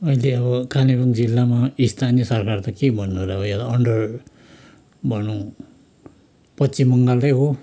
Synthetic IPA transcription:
ʌileʌβʌkʰanibʌŋd͡zilːamaist̪ʰanijʌsʌrkart̪ʌkebʱʌnːuɾaɦojat̪aʌɳɖʌr | bʱʌnũ | pʌtt͡simːʌŋɡald̪ʌjɦo

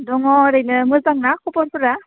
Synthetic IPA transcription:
dɔŋɔɾɯjlɯmɯzaŋnakupɔɾpɯɾa

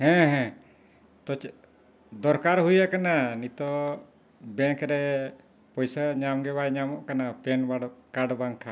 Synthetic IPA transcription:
hɛ̃ɦɛ̃ | t̪ɔt͡ʃ | d̪ɔɾkaɾɦujakananit̪ɔ | bɛŋkɾɛ | pɔjsaɲamɡɛβajɲamɔʔkanapɛnbaɽkaɽbaŋkʰa

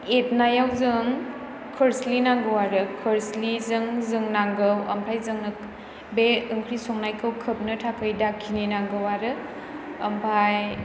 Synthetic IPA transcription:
et̚najawzɯŋ | kʰɯɾslinaŋɡɯwaɾɯkʰɯɾslizɯŋzɯŋnaŋɡɯwɐ̰mpʰajzɯŋnɯ | beɯŋkʰɾisɔŋnajkʰɯwkʰɯp̚nɯtʰakʰɯjdakʰːininaŋɡɯwaɾɯ | ɐmpʰaj

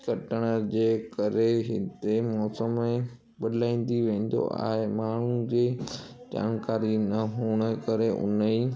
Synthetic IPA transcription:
kɐʈəɽ̃ə̆d͡ʑeːkɐɾeɦɪ̰t̪emɔːsəmẽ | ɓɐd̪ʱlaːĩːn̆d̪iʋẽːn̆d̪o̰a̰ːɦemaːɳ̤ud͡ʑeː | d͡ʑa̰ːnkaːɾinɐɦuːɽ̃əkɐɾeʔʊ̰nəi

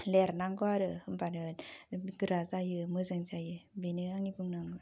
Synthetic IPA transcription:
lɛɾnaŋɡɔaɾɯhɯmbanɯnɡɯɾazajɯmɯzaŋzajɯbinɯaŋibɯŋnaŋɡa

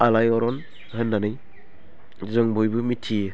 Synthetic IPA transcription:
alajɔɾɔn | hɯnːanɯj | zɯŋbʱɔjbɯmitʰijɯ

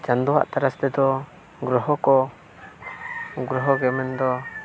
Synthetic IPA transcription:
d͡ʒand̪uɦa̰ʔt̪aɾasd̪ɛd̪ɔ | ɡɾɔɦɔkɔ | ɡɾɔɦɔɡɛmɛnd̪ɔ

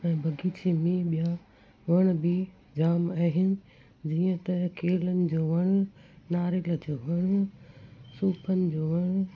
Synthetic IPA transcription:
ɛ̃ːbʱɐɡʱiːt͡ɕemẽɓija | ʋɐɽ̃bɪ | d͡ʑaːmaɦɪnɪ̆ | d͡ʑiːə̃t̪ɐkʰeːlənɪ̆d͡ʑoːʋɐɽ̃ʊnaːɾɪlə̆d͡ʑoːʋɐɽ̃ | suːpʰənɪ̆d͡ʑoːʋɐɽ̃

